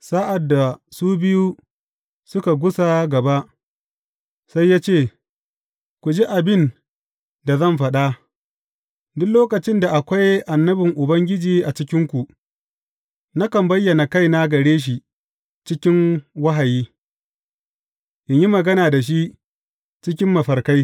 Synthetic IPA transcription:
sa˦ʔa˨dːa˨suː˦bɪ˦ju˦ | sʊ˦ka˨ɡʷʊ˦sa˦ɡɐ˨ba˦ʔ | sa˦jːaː˦t͡ʃeː˦˨ | kʷu˨d͡ʒi˦ʔa˨bɪ˦n | da˨zɐ˦˨mɸɐ˦ɗa˦ | dʊ˦kloː˦kɐ˨t͡ʃɪ˦nda˨ʔa˨kʷa˦jʔa˨nːɐ˦bɪ˨ŋʔʊ˨bɐ˦ŋɡʲɪ˦d͡ʒiː˨ʔa˨t͡ʃɪ˦kʲɪ˦ŋkʷu˨ | na˦kɐ˨mbɐ˦jːɐ˨na˨ka˦jna˦ɡɐ˨ɽeː˦ʃ̬i˨ | t͡ʃɪ˦kʲɪ˦ŋwɐ˦ɦa˨jiː˦ | ʔɪ˨ɲji˦mɐ˨ɡɐ˦naː˨da˨ʃ̬i˦ | t͡ʃɪ˦kʲɪ˦mːɐ˨ɸɐ˨rka˦j

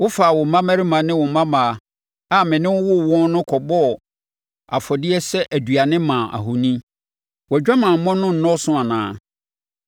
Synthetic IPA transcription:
wʊ˦faː˨wʊ˨mã˦mæ˦ɾi˦mã˨nɪ̃˦wʊ˨mã˦mã˨ | a˦˨mɪ̃˨nɪ̃˦wʊ˦wʊ˦˨wɔ̃˦n˦nʊ̃˦kʰɔ˨bɔ˦˨ | a˨fɔ˨dɪ˦ɛ˦sɛ˦ʔæ˨dɥa˨nɪ̃˦mã˨ʔa̰˨ɦʊ˨nĩ˦ | wɛ˨d͡ʑᶣa˦mã˨m̩˨mɔ̃˦nʊ̃˦n̩˨nɔ̃˦sʊ̃˦a˨nã̰ː˨˦

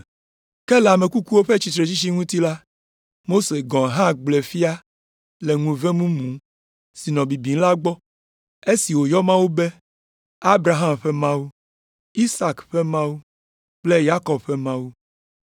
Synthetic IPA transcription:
kɛ˦lɛ˨a˨me˨ku˦ku˦wo˦ɸe˦t͡ɕi˨t̪ɾe˨t͡ɕi˦t͡ʃi˦ŋũ˦t̪i˦la˦ | mo˦se˨ɡɔ̃˨ɦã˦ɡ͡ble˨fi˦a˦ | le˨ŋũ˨ve˦mũ˦mũ˨˦ | si˨nɔ̃˨bi˨bi˨˦la˦ɡ͡bɔ˦ | e˦si˨wo˨jɔ˦mã˦wu˦be˦ | a˦bɾa˨ɦa˦mɸɛ˦mã˦wu˦ | i˦sa˨kɸɛ˦mã˦wu˦ | k͡ple˦ja˦kɔ˨b̚ɸɛ˦mã˦wu˦

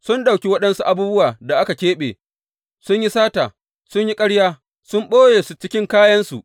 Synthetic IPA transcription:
sʊ˦nɗa˨wkʲi˦wɐ˦ɗɐ˦nsu˦ʔa˦buː˦bʊ˦waː˨da˨ʔa˦ka˨kʲeː˦ɓḛː˨ | sʊ˦ɲji˦saː˦ta̰ː˨ | sʊ˦ɲji˦kʼɐ˦ɽjaː˦ | sʊ˦mɓoː˦jeː˨su˦t͡ʃɪ˦kʲɪ˦ŋkaː˦jɐ˦nsu˨ʔ

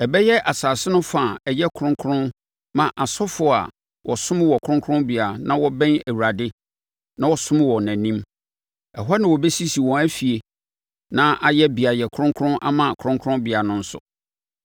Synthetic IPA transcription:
ɛ˨bɛ˦jɛ˦ʔa˨saː˨sɪ˦nʊ̃˦fã˨ɛ˨jɛ˦kʰʊ̃˦ŋkʰʊ˦ʊ̃˦n | mã˨ʔa˨sɔ˦fʊ˦˨a̰˨ | wʔɔ˨sʊ̃˦m˦wɔ˨kʰɾʊ̃˦ŋkʰʊ̃˦bi˨a˨nã˦wɔ˦bɛ̃˦næ˨wu˨ɾa˨dɪ˦ | nã˦wɔ˨sʊ̃˦m˦wɔ˨næ̃˨nĩ˦m | ɛ˨ɦɔ˦nã˨wɔ˨be˦si˦si˨wɔ̃˨æ˦fi˨e˨ | nã˦ʔa˨jɛ˦bi˨a˨jɛ˨kʰʊ̃˦ŋkʰʊ˦ɾʊ̃˦nʔa̰˦mã˨kʰɾʊ̃˦ŋkʰɾʊ̃˦bɪ˨a˨nʊ̃˦n̩˦sʊ̰˨

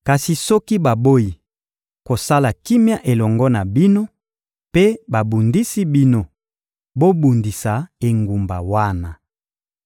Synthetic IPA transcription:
ka˨si˨sɔ˦ki˦ba˨bo˦ji˨ | ko˨sa˦la˨ki˦mja˦ʔe˨lɔ˨ŋɡɔ˦na˨bi˦no˦ | pe˦ba˨bu˨ndi˦si˦bi˦no˨ | bo˦bu˨ndi˨sa˨e˨ŋɡu˨mba̰˨wa˦na˨

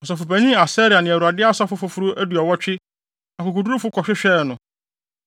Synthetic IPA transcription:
ɔ˨s̬ɔ˨fʊ˨bæ˨ɲĩ˦a˨sɛː˦ɾɪ˨a˨nɪ̃˨æ˨u˨a˨dɪ˦a˦sa˦fʊ˦fʊ˨fʊ˦ɾʊ˦ʔæ˦du˨ɔ˨wɔ˦t͡ɕᶣɪ˦ | ã˨kʊ˨kʊ˨du˦ɾu˦fʊ˦kʰɔ˨ɕᶣɪ˦ɕᶣɛː˦˨nʊ̃˨

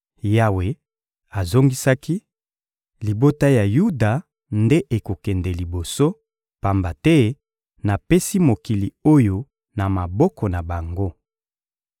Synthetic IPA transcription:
ja˦we˨ | a˨zo˦ŋɡi˦sa˦ki˦ | li˨bo˦ta˦ja˨ju˦da˨ | nde˦ʔe˨ko˨kɛ˨ndɛ˨li˨bo˨so˦ | pa˨mba˨tɛ˦ | na˨pe˦si˦mo˨ki˨li˨o˦jo˨ | na˨ma˨bɔ˦kɔ˨na˨ba˨ŋɡo˦

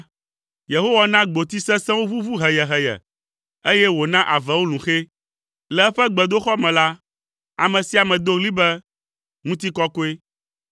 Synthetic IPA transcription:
je˨ɦo˦wa˨nã˦ɡ͡bo˨t̪i˦sɛ̃˦sɛ̃˦wo˦vu˦vu˦ɦɛ˨jɛ˨ɦɛ˨jɛ̰˨ | e˦jɛ˦wo˨nã˦ʔa˨vɛ˨wo˦lũ˨xe˦ | lɛ˨ɛ˦ɸɛ˦ɡ͡bɛ˨d̪o˦xɔ˦mɛ̃˨la˦ | a˨mɛ̃˨si˦a˨mɛ̃˨d̪o˦ɣli˦bɛ˦ | ŋũ˦t̪i˦kɔ˦ko˦e˦

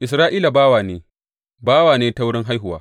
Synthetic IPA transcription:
ʔɪ˨s̬ɾaː˦ʔiː˦la˨baː˦waː˨neː˦ | baː˦waː˨neː˦ta˦wʊ˦ɽɪ˦ŋɦa˦jɦʊ˨wa̰ː˦

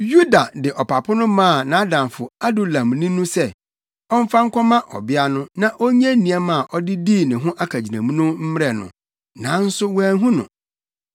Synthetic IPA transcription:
ju˦da˨dɪ˨ʔɔ˨pʰa˨pʰʊ˦nʊ̃˦mãː˦˨nã˨˦dã˨mfʊ˨a˦du˨lã˨mnĩ˦nʊ̃˦sɛ˦ | ɔ˦m̩˦fã˦ŋ̩˦kʷʰɔ˦mã˦ʔɔ̰˨bɪ˦a˦nʊ̃˦nã˨ʔo˦ɲ˦ɛ̃˦nĩ˨a˦mã˦˨ʔɔ˦dɪ˦diː˦˨nɪ̃˨ɦʊ̃˦ʔa˦kʰa˨d͡ʑi˨nã˨mũ˦nʊ̃˦m̩˦m˦ɾɛ˨nʊ̰̃˨ | nã˨˦n̩˦sʊ˦wæ˨ɦũ˦nʊ̰̃˨

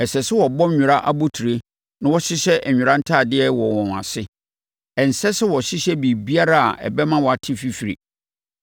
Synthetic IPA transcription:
ɛ˨sɛ˨sɪ˦wɔ˨bɔ̃˦mɲᶣʊ̃˨ɾa˦ʔa˦bo˦tʰu˨ɾe˦ | nã˦wɔ˦ɕɪ˦ɕɛ˦ʔɛ˨ɲᶣʊ̃˨ɾã˦n̩˦tʰaː˦˨dɪ˦ɛ˦wɔ˨wɔ̃˨n˨a̰˨sɪ˦ | ɛ˨n̩˨sɛ˦sɪ˦wɔ˨ɕɪ˦ɕɛ˦bi˨bi˦a˦ɾa˦a̰˨ʔɛ̰˨bɛ˦mã˦wɔ˨a˨tʰɪ˦fi˦fi˨ɾḭ˨

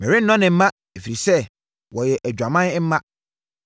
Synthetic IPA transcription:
mẽ˨ɾe˦n̩˦nɔ̃˦nɪ̃˨m̩˦mã˦ | e˨fi˨ɾi˨sɛ˦˨ | wɔ˨jɛ˨ʔæ˨d͡ʑᶣa˨mã˦n˦m̩˦mã˦

